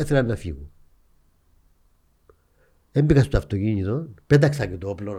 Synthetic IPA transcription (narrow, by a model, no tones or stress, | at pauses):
eθelɐnːɐfḭɣu | embikɐst̪oɐft̪ociɲit̪onpet̪ɐksɐɟet̪ooplo